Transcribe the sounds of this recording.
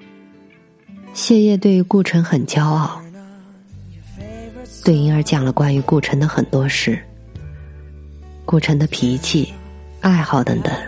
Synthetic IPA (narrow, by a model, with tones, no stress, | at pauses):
ɕjɛ˥˧jɛ˥˧t̪we˥˩ɪy˧˥ku˥˩ʈ͡ʂʰə˧˥ŋxə˨˩nt͡ɕjɑ˥ʊɑ˥˩ʊ | t̪we˥˩ɪni˧˥ə˞˧˥t͡ɕjɑ˨˩ŋlə˦kwa˥ny˧˥ku˥˩ʈ͡ʂʰɤ˧˥ŋd̪ə˧xə˨˩nt̪wɔ˥ʂɻ̩˥˩ | kwɔ˥˩ʈ͡ʂʰɤ˧˥ŋd̪ə˧pʰi˧˥t͡ɕʰi˥˩ | a˥˧ɪxɑ˥˩ʊt̪ə̰˧˥ŋt̪ə̰˨˩˦ŋ